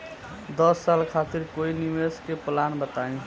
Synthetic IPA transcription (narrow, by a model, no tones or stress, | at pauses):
d̪əsːalkʰat̪iɾkoiniweskeplanbət̪aĩ